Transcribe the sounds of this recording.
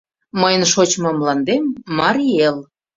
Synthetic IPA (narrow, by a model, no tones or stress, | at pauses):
məjənʃot͡ɕmɤ̆mlɑnd̪emːɑɾiel